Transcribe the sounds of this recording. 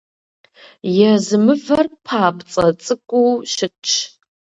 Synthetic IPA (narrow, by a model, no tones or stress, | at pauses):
jɛzɨmɨvɐrpʰaːpt͡sʼɐt͡sʼɨkʷʼuʃɪt͡ʃʰ